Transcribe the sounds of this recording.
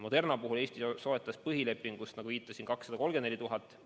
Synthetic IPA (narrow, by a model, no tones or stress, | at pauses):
mod̪e̞rnɑpuɦule̞ːsʲt̪iso̞et̪ːˑɑspɤɦile̞pːiŋɡ̥ust̪nɑɡ̥uviːt̪ːˑɑsinkɑksːɑd̪̥ɑko̞lɡ̥enne̞lit̪uɦɑt̪ːˑ